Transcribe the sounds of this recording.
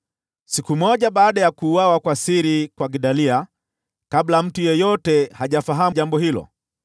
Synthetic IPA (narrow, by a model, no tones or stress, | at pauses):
sikumɔʄaɓaːɗajakuːwawakwasiɾikwaɡiɗalia | kablam̩tujɔjɔtɛhaʄafaɦaʄambɔhilɔ̰